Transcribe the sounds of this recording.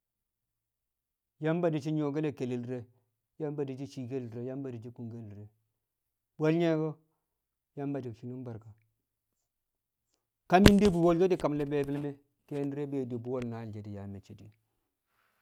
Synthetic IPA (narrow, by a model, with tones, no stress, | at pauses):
ja˦mba˨di˨t͡ʃi˦ɲo˨ɡe˦le˦ke˨li˨lɾe˦ | ja˦mba˨di˨t͡ʃi˦t͡ʃi˨ɡe˦lɾe˨ja˦mba˨di˨t͡ʃi˦ku˨ŋɡe˦lɾe˨ | bo˦lɲe˦ɡo˦ | ja˦mba˨di˨ʃi˨nu˦mba˨ɾka˨ | ka˦mi˦ndi˦bu˨wo˦ld͡ʒo˦di˦ka˨mle˨be˦bi˦lme˦ | ke˦n˦ɾe˦be˨di˨bu˨˦wo˦lna˨ld͡ʒe˨di˨ja˨me˨t͡ʃi˦˨di˨